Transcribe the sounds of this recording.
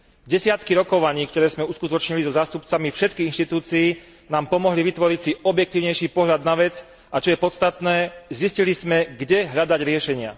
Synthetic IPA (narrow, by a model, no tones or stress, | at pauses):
ɟɛsɪat̪kiɾɔkɔʋaɲiːkt̪ɔɾɛːzmɛuskut̪ɔt͡ʃɲilizɔzaːst̪upt͡samifʃɛt̪kiɣinʃt̪it̪uːt͡siː | naːmpɔmɔɦliʋit̪ʋɔɾicsiɔbjɛk̚t̪iːʊɲɛjʃiːpɔɦʎad̪naʋɛt͡s | at͡ʃɔjɛpɔt̪st̪at̪nɛːziscilizmɛɡɟɛɦʎad̪aɟɾɪɛʃɛɲɪa̰